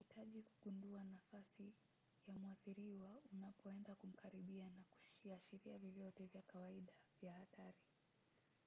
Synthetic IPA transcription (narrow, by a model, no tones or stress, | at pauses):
hitʰaʄiku̥ɠunduanafasi | jamuaθiɾiwaunapɔɛndakum̩kʰaɾiɓianaku̥iaʃiɾiavjɔvjɔtɛvjakawaiɗavjahatʰaɾi